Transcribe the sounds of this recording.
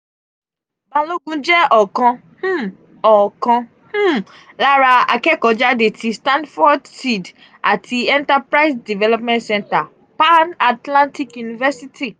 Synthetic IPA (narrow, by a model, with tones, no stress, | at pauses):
bã˨lo˦ɡũ˦d͡ʒɛ˦ʔɔ˨kɔ̃˧ | h̩˦ | ɔ˨kɔ̃˧ | h̩˦˨ | la˦ɾa˧a̰˨kɛ˦kɔ˨˦d͡ʒa˦de˨tʰi˧˦stã˦ndfɔ˦dsi˨d | a˨tʰi˧ɛ̃˦nta˦pɾa˦i˦sdi˨vɛ˦lɔ˦pmɛ̃˦ntsɛ̃˦nta˨ | pa˦na˨tlã˦nti˦kju˨ni˨vɛ˦si˦tʰi˦